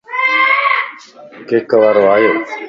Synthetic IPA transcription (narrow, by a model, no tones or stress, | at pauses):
keːkəʋaɾoaːjoː